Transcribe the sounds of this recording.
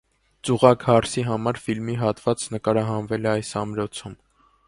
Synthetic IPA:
t͡suʁɑkhɑɾsiɦɑmɑɾfilmiɦɑt̪vɑt͡snəkɑɾɑɦɑnvɛlɛɑjsɑmɾɔt͡sʰum

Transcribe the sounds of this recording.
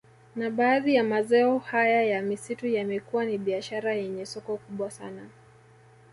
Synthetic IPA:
naɓaːðijamazɛɔhajajamisitujamɛkuwaniɓiaʃaɾajɛɲɛsɔkɔkuɓwasa̰na

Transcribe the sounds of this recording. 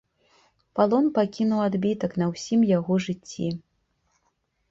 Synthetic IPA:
palˠɔnpakʲinuwad̪bʲit̪ɐknɐwsʲimjaɣɔʐɨt͡sʲːḭ

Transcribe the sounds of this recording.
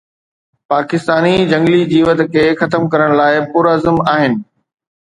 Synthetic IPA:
paːkɪst̪aːnid͡ʑɐ̃ŋɡlid͡ʑiːʋɐd̪kʰeːxɐt̪əmkɐɾəɽ̃laːɪpʊɾəzəmaːɦɪnɪ̆

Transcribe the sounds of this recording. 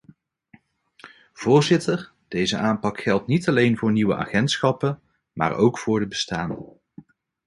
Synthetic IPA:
v̥ʊːɹzɪtəɹ | d̥ejzə̰ʔaːmpɑkχɛlˠtnitɑlejnvʊːɹniwəʔa̰ːχɛntsχɑpə | ma̰ːɹʔowkfʊːɹdəbəstaːn

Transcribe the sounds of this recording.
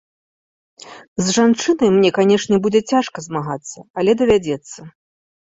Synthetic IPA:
zʐant͡ʂɨnɐjmnʲɛkanʲɛʂnʲɛbud͡zʲɛt͡sʲaʂkɐzmaɣat̪sːɐɐlʲɛd̪ɐvʲad͡zʲɛt̪sːɐ

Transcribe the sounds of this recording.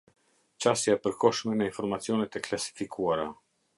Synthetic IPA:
t͡ʃasjaɛpəɾkɔʃmɛnɛinfɔɾmat͡siɔnɛt̪ɛklasi̥fikuaɾa̰

